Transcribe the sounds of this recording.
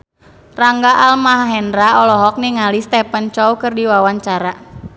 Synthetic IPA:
raŋɡaʔalmaɦaɦɛndɾaɔlɔɦɔk̚niŋalist̪ɛpant͡ʃɔukɨrdiwawaɲt͡ʃaɾa

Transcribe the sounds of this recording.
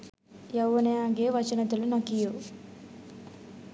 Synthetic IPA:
jɐwːuneaɡeːʋɐt͡ʃɐnɐt̪ulunɐkiju

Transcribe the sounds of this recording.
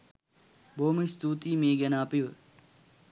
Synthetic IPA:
bʱoːmist̪uːt̪iːmẽːɡɐnaːpiʋ

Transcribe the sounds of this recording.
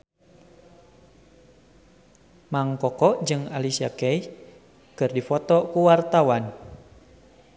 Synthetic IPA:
maŋkɔkɔʔd͡ʒɨŋalisiakɛi | kɨrdifɔt̪ɔkuwart̪awan

